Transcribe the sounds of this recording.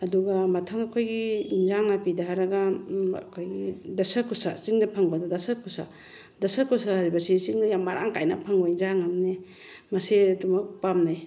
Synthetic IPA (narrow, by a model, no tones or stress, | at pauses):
ɐduɡamɐtʰaŋɐkʰojɡinzaŋnapidaɦaɾaɡaɐ̰kʰojɡidɐsɐkʰusasiŋdɐpʰaŋbɐdadɐsɐkʰusa̰ | dɐsɐkʰusaɾibasisiŋdajamaɾʔa̰ŋkajna̰pʰaŋbainzaŋamne | mɐsedumak̚pamnaj